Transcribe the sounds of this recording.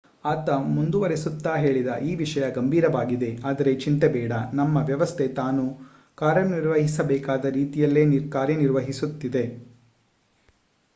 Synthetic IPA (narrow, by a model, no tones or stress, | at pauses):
aːt̪ɐmund̪uʋɐɾesut̪ːaːɦe̞ːɭid̪ɐʔiːʋiʂɐjɐɡɐmbʱiːɾɐʋaːɡid̪e̞aːd̪ɐɾe̞t͡ʃint̪ebɛːɽɐnɐmːɐʋjɐʋɐst̪ʰe̞t̪aːnu | kaːɾjɐniɾʋɐɦisɐbɛːkaːd̪ɐɾiːt̪ijɐlːeːniɾkaːɾjɐniɾʋɐɦisut̪ːid̪e̞